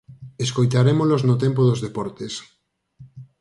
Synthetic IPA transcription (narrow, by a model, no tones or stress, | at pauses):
eskojt̪aɾemoloznot̪empoðozðepɔɾt̪es